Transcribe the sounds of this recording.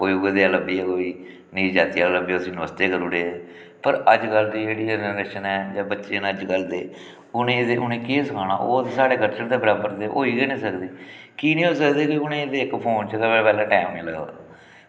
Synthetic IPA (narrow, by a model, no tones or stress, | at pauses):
koːiːeːd̪eːələbiːɛːkoːiː | nĩːd͡ʒaːt̪iːaləbiːʊsĩːnəʋəst̪eːkəɾuːɽeːɛː | pəɾəd͡ʒɡəld̪iːd͡ʒeːɽiːd͡ʒɾeːʃənɛːd͡ʒaːbətːʃeːnəd͡ʒɡəld̪eː | ʊnẽːd̪eːʊnẽːkeːsəkʰãːña̰ːʔoːt̪ːsaːɽeːkəɾt͡ʃəɳd̪eːbəɾaːbəɾd̪eːʔo̰ːiːɡeːnĩːsəkd̪eː | kiːnĩːɦoːisəkd̪eːkiːʊnẽːd̪eːɪkpʰoːnt͡ʃəkapɛːpɛːlãːʈɛːmːiːləoaː